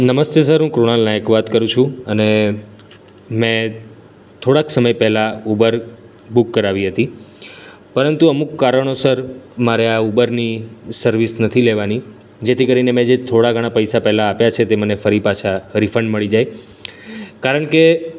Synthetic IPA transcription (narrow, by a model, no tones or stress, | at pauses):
nəməst̪jes̬əɾɦũkɾoɽalnajekʋat̪kəɾũt͡ʃʰũəne | mɛ̃ | t̪ʰoɽaksəməjpɛɦlaubəɾ | bukːəɾaʋiɦət̪i | pəɾənt̪uəmukːaɾəɳ̃osəɾmaɾeaubəɾnisəɾʋisnət̪ʰileʋani | d͡ʒet̪ʰikəɾinemɛ̃d͡ʒet̪ʰoɽaɡʱəɽ̃apəjsapɛɦlaːpjat͡ʃʰet̪emənefəɾipat͡ʃʰaɾifəɳɖməɭid͡ʒaj | kaɾəɳke